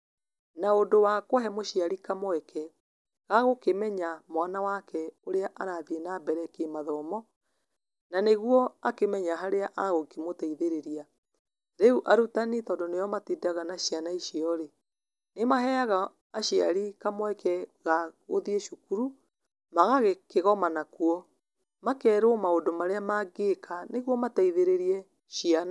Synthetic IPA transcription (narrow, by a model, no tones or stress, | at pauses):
naondowakoɦɛmoʃiaɾikamɔɛkʰɛ | ɣaɣokemɛɲamwanawakɛoɾeaʔaɾaːðienabɛɾɛkemaðɔmɔ | naneɣwɔakemɛɲaɦaɾeaʔaɣokimotaiðeɾeɾia | ɾeuʔaɾutanitɔːndɔnejɔmatidaɣanaɕianaiʃiɔɾe | nemaɦɛaɣaː | ʃiaɾikamwɛkɛɣaɣo̰ðieʃukuɾu | maɣaɣekeɣɔmanakuɔ | makɛːɾomaodomaɾeamaɡekʰaneɣwɔmataiðeɾeɾiɛ | ʃiana